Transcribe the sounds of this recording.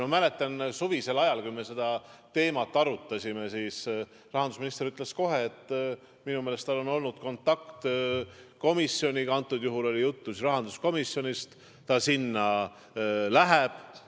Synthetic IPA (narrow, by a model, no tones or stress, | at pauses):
mɑmæle̞t̪ːˑɑnsuvise̞lɑjɑlkujmese̞d̪̥ɑt̪e̞ːmɑt̪ˑːɑɾut̪ːˑɑsʲime̞siːs | rɑɦɑnd̪usminist̪eɾyt̪ːˑle̞sko̞ɦe̞ːt̪ː | minumeːle̞st̪ɑlo̞no̞lnud̪̥ko̞nt̪ˑːɑkt̪ | ko̞misːjo̞nʲiɡɑnt̪ːˑud̪̥juɦulo̞lijut̪ːusrɾɑɦɑnd̪̥usko̞misːjo̞nist̪ː | ɑsinːɑ | læɦeb̥